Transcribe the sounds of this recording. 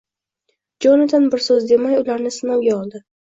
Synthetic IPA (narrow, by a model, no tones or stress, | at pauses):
d͡ʒɒnɪd̪anbɪɾsɵzd̪e̞majʊlaɾnɪsɪnawɡʲaɒlˠd̪ɪ